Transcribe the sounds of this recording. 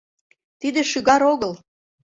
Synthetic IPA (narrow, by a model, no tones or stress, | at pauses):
t̪id̪eʃyɣɑɾoɣəl